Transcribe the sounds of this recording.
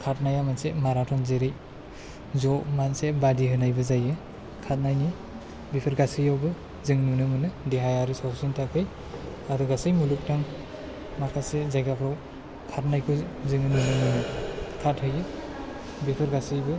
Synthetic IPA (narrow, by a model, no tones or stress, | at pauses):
kʰat̚najamansemaɾatʰɔnzeɾɯj | zɔmansebadiɦɯnajbɯzajɯ | kʰat̚najni | bipʰɯɾɡasɯjawbɯ | zɯŋnunɯmɯnɯdiɦajaɾɯsawsintʰakʰɯj | aɾuɡasɯjmuluk̚taŋ | makʰasezajɡapʰɾaw | kʰat̚najkʰɯzɯŋɯnunɯmɯnɯkʰathɯjɯ | bipʰɯɾɡasɯjbɯ